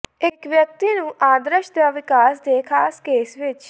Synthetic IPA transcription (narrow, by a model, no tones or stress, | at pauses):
ɪkʋjək̚t̪iːnũːʔaːd̪ɾəʃd̪aːʋɪkaːsd̪eːkʰaːskeːsʋɪt͡ʃ